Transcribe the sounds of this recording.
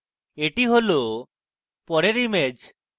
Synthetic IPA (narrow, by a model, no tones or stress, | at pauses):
eʈiɦolo | pɔɾeɾimed͡ʒ